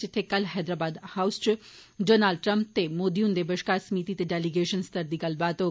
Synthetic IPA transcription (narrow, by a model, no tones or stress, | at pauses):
t͡ʃit̪ʰekɐlɦɛːd̪ɾaːbaːd̪hawst͡ʃi | ɖoːnaːlɖ̚ʈɾɐmp̚t̪emoːd̪iund̪ebəʃkaːsmiːt̪it̪eɖeliɡeːʃənst̪ɐɾd̪ikɐlbaːt̪o